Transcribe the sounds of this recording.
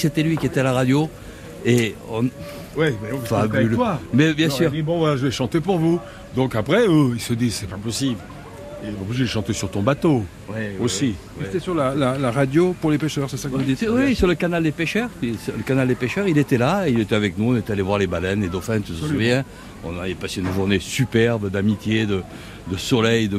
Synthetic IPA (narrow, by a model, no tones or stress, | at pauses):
set̪ɛlɥikʲiet̪ɛalaʁad̪jo | eɔ̃ | wiɛ̃fabylwamɛbjɛ̃ssyʁd̪ibɔ̃vwalaʒəvɛʃɑ̃t̪epuʁvu | d̪ɔ̃kapχɛøilsəd̪isɛpapɔsibl | eivɔ̃biʒeləʃɑ̃t̪esyʁt̪ɔ̃bat̪o | wosi | ɛt̪ɛsyʁlalalaʁad̪jopuʁlepeʃœʁsɛsakəud̪iwisyʁləkanald̪epeʃœʁisləkanald̪epeʃœʁilet̪ɛlaeilet̪ɛavɛknuɔ̃net̪ɛalevwaʁlebalɛnled̪ofɛ̃nt̪əsəsuvjɛ̃ | ɔ̰̃naɛpaseynʒuʁnesypɛʁbd̪amit̪jed̪ə | d̪əsɔlɛjd̪ə